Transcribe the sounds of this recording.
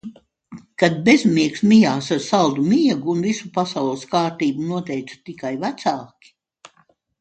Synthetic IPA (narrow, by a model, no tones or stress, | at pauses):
kad̪̚bezmiɛksmijaːsaɾsalˠd̪umiɛɡuːnvisupasawlˠəskaːɾt̪iːbunuɔt̪ɛjt̪su̥t̪ikajvæt̪saːkʲi̥